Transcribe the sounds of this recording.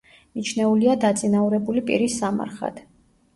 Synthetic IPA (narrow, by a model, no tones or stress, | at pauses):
nit͡ʃʰnɛuliad̪at̪sʼinauɾɛbulipʼḭɾisːama̰ɾχa̰d̪̥